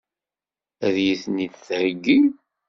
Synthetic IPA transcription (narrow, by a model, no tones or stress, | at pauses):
æðjiθnid̪θəɾɡːi